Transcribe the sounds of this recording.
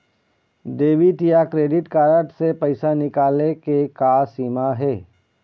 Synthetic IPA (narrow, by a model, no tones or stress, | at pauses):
ɖeːʋɪʈjakɾeːɖɪʈkaːɾəʈsepɐɪsanɪkaːlekekasiːmaɦɛː